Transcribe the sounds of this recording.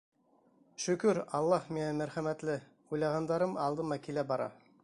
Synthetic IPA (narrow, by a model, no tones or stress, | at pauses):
ʃɵ̆kɵɾɑlˠːɑhminæmæɾχæmæt̪lɘ | ujlˠɑʁɑnd̪ɑɾɤmɑlˠd̪ɤmɑkilæbɑɾɑ̰